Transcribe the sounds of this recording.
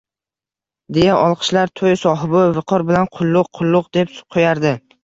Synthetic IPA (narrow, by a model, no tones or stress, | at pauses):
d̪e̞jaʔɒlˠqʰɨ̥ʃlaɾt̪ʰojsɒɦɪbɪvɪqʰɒɾbɪlanqʰʊlˠːʊqqʰʊlˠːʊqd̪epqʰojaɾd̪ɪ